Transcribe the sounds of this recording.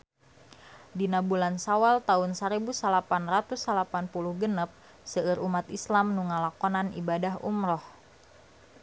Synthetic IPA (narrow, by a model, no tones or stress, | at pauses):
dinabulansawalt̪aʊnsaɾibusalapanrat̪usalapanpuluhɡənəp̚ | səɨɾumat̪islamnuŋalakɔnanḭbadaɦṵmɾɔh